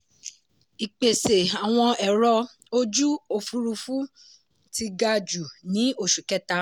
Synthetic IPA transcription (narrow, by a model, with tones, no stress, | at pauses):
i˨k͡pe˨se˨a˨w̃ɔ̃˧ɛ˨ɾɔ˧ | o˦d͡ʒu˦o˧fu˧˦ɾu˧fu˦ | ti˧ɡa˧d͡ʒu˨nĩ˨˦o˦˨ʃu˨kɛ˦ta˦